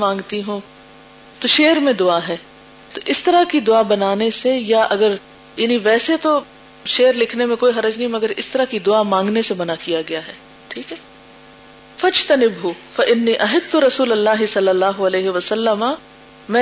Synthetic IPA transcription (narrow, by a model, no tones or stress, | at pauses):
mãːŋɡt̪iɦũː | t̪oʃeːəɾmẽd̪ʊaɦɛː | t̪oʔɪst̪ɐɾakid̪ʊabɐnaːnesejaʔɐɡəɾ | jaːniʋɛːset̪o | ʃeːɾlɪkʰnemẽkoːiɦɐɾəd͡ʒnɐɦĩmɐɡəɾɪst̪ɐɾakid̪ʊamãːŋɡnesebɐnakijaɡɐjaɦɛː | ʈʰiːkɦɛː | fɐd͡ʒt̪ɐnɪbɦʊfɐʔɪnːiːʔɐɦɪd̪t̪ʊɾɐsuːlɐlːaːɦɪsɐlːɐlːaːɦʊɐleːɦɪʋɐsɐlːəma | mɛ̃ː